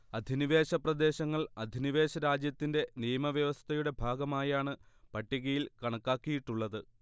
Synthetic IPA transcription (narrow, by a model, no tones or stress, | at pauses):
ɐd̪ʱiniʋeːɕɐprɐd̪e̞ːɕɐŋːɐɭɐd̪ʱiniʋe̞ːɕɐɾaːd͡ʑjɐt̪ːinde̞nijɐmɐʋjɐʋɐst̪ʰɐjuɽe̞bʱaːɡɐmaːjaːɳɨpɐʈːiɣɐjilkɐɳɐkːaːkːijiʈːuɭːɐðɨ